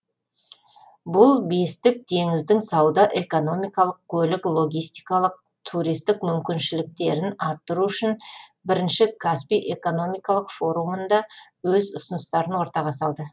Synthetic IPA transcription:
bʊlˠbe̞st̪ɪk̚t̪ʰe̞ŋɪzd̪ɪŋsɑwd̪ɑʔe̞ko̞no̞mijkɑlˠəq̚kʲʰɵlɪklˠo̞ɡʲijst̪ijkɑlˠəq̚ | t̪ʰuɾijst̪ɪkmʏmkʲɪnʃɪlɪk̚t̪e̞ɾɪnɑɾt̪ːəɾuʏʃɪnbɪɾɪnʃɪkʰaspiʔe̞ko̞no̞mijkɑlˠəqfo̞ɾumənd̪ɑwɵzʊsʊnəst̪ɑɾənwo̞ɾt̪ɑʁɑsɑlˠd̪ə

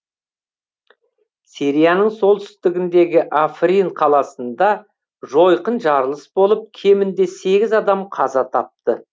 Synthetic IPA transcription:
siɾijanəɴso̞lˠt̪ʏ̥st̪ɪɡʲɪnd̪e̞ɡʲɪʔafriɴqʰɑlˠɑsənd̪ɑ | ʒo̞jqənʒɑɾəlˠəsbo̞lˠəp̚kʲʰe̞mɪnd̪e̞se̞ɡʲɪzɑd̪ɑmqʰɑzɑt̪ʰɑp̚t̪ə

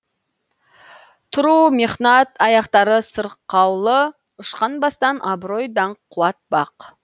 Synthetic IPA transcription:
t̪ʰʊɾumiχnɑt̪ɑjɑqt̪ɑɾəsəɾqːɑwlˠə | ʊʃqɑnbɑst̪ɑnʔɑbɾo̞jd̪ɑɴqʰːuwɑt̪̚bɑq

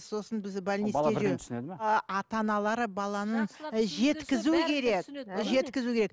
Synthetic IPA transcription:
so̞sənbɪzbælʲnilˠeʒesned̪ɑt̪ɑnɑlˠɑɾəbɑlˠɑnənʒe̞t̪kʲɪzukʲʰe̞ɾekʒe̞t̪kʲɪzukʲʰeɾek̚

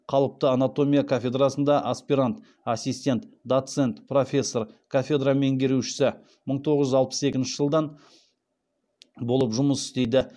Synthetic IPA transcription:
qʰɑlˠəp̚t̪əanat̪o̞mʲijakʰafʲe̞d̪rasənd̪ɑʔaspʲiɾant̪ | asijst̪e̞nt̪d̪ot̪se̞nt̪pro̞fʲe̞sːo̞rkʰafʲe̞d̪rame̞ŋɡʲe̞ɾuʃɪ̥sɪ | məɴt̪ʰo̞ʁəʒʏzɑlˠpə̥se̞kʲɪnʃɪʒəlˠd̪ɑn | bo̞lˠəpʒʊməsɪ̥st̪e̞jd̪ɪ

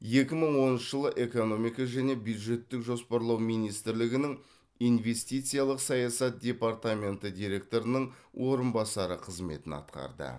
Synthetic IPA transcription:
je̞kʲɪməɴwo̞nənʃəʒəlˠəʔe̞ko̞no̞mijkɑʒæne̞bjud̪ʒe̞t̪ːɪkʒo̞spɑɾlˠɑwmijnijst̪ɪɾlɪɡʲɪnɪŋ | ijnve̞st̪ijt̪sɨjalˠəqsɑjɑsɑt̪̚d̪ʲe̞paɾt̪amʲe̞nt̪əd̪ʲijɾe̞k̚t̪o̞ɾənəɴwʔo̞ɾənbɑsɑɾəqʰəzme̞̰t̪ɪnɑ̰t̪qɑ̰ɾd̪ə̰

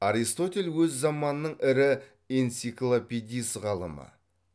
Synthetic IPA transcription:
aɾist̪o̞t̪ʲe̞lʲwɵzːɑmɑnənəɴɪɾɪ | ent̪siklˠopʲed̪ʲijsʁɑlˠə̰mə̰

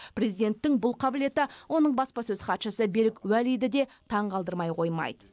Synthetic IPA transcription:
prʲe̞zijd̪e̞nt̪ːɪŋbʊlˠqʰɑbɪle̞t̪ɪwo̞nəɴbɑspɑsɵz̥χɑt̪ʃəsəbe̞ɾɪkwælijd̪ɪd̪e̞t̪ʰɑɴqɑlˠd̪əɾmɑjqʰo̞jmɑ̰jd̪ə̥

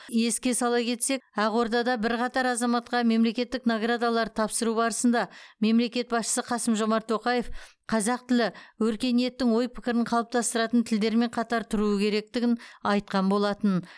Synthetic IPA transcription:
je̞skʲe̞sɑlˠɑkʲʰe̞t̪se̞kæʁwo̞ɾd̪ɑd̪ɑbɪɾqʰɑt̪ɑɾɑzɑmɑt̪̚qɑme̞mle̞kʲe̞t̪ːɪknoɡrad̪alˠɑɾt̪ʰɑpsəɾubɑɾəsənd̪ɑme̞mle̞kʲe̞t̪̚bɑsʃə̥səqʰɑsəmʒo̞mɑɾt̪ʰːo̞qɑje̞f | qʰɑzɑq̚t̪ʰɪlɪwɵɾkʲe̞nije̞t̪ːɪŋwo̞jpʰɪkʲɪɾɪɴqʰɑlˠəp̚t̪ɑst̪əɾɑt̪ənt̪ʰɪld̪e̞ɾme̞ɴqʰɑt̪ɑɾt̪ʰʊɾuəkʲʰe̞ɾe̞k̚t̪ɪɡʲɪnɑjt̪̚qɑnbo̞lˠɑt̪ən

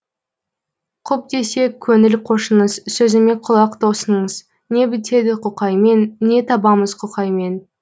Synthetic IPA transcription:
qʰʊp̚d̪e̞se̞kʲʰːɵŋɪlqʰo̞ʃəɴəzsɵzɪme̞qʰʊlˠɑqd̪osənəɴəz | ne̞bɪt̪ʰe̞d̪ɪqʰʊqɑjme̞nːe̞t̪ʰɑbɑməz̥qʰʊqɑjme̞n

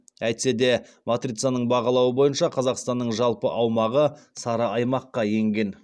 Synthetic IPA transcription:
æjt̪se̞d̪e̞mot̪rit̪sɪjanəɴbɑʁɑlˠɑwəbo̞jənʃɑqʰɑzɑqst̪ɑnːəɴʒɑlˠpə̰ʔɑwmɑʁəsɑɾɑɑjmɑqːɑje̞ŋɡʲe̞n

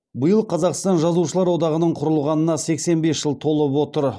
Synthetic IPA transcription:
bəjəlˠqʰɑzɑqst̪ɑnʒɑzuʃəlˠɑɾwo̞d̪ɑʁənəɴqʰʊɾəlˠʁɑnənɑse̞kse̞nbe̞sʒ̥əlˠt̪ʰo̞lˠəpwo̞t̪əɾ

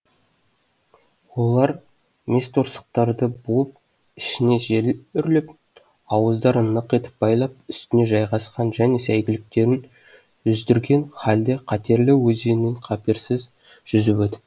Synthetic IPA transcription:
wo̞lˠɑɾ | me̞st̪oɾsə̥q̚t̪ɑɾd̪əbuəp̚ | ɪ̥ʃɪne̞ʒeʏɾlɪp | ɑwəzd̪ɑɾənːəqe̞t̪ɪ̥p̚bɑjlˠɑp̚ʏst̪ɪne̞ʒɑjʁɑsqɑnʒæne̞sæjɡʲɪlɪk̚t̪e̞ɾɪn | ʒʏzd̪ɪɾɡʲe̞nχɑld̪e̞qʰɑt̪e̞ɾlɪwɵzeneɴqʰɑpeɾsɪz | ʒ̥ʏzɪpɵt̪ɪ̥

